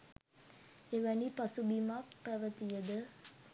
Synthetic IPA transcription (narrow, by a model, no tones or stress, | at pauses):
eʋænipasubimakpæʋət̪ijəd̪ə